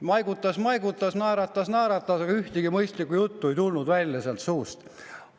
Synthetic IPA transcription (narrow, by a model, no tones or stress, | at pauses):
mɑjɡut̪ːˑɑsmɑjɡut̪ːˑɑsnæːɾɑt̪ːˑɑsnæːɾɑt̪ːˑɑsɑɡ̥ɑyht̪iɡ̥imɤjst̪likːujut̪ːue̞jt̪ulnud̪̥vælʲːjɑseɑlt̪suːst̪